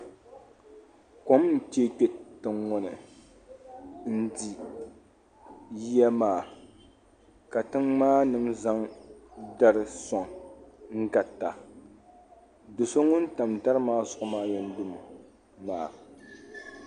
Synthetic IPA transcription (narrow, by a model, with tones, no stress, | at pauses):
ko˦mn̩˨te˦k͡pe˦tɨ˨ŋːʊ˦nɨ˨ | n̩˦di˦ | ji˦ja˦maː˨ | ka˨tɨ˦ŋmaː˦nɨ˨mza˦ŋ | da˦ɾɨ˨sɔ˨ŋŋ̩˦ɡa˨tːa˨ | do˨so˦ŋʊ˦nta˨mta˦ɾɨ˦maː˦zʊ˨ʔʊ˦maː˦jɛ˨n˦dʊ˦m˨ | maː˨